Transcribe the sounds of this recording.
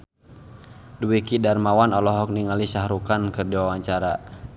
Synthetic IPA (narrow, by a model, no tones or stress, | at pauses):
duwikidarmawanɔlɔɦɔk̚niŋalisaɦɾukankɨrdiwawaɲt͡ʃaɾa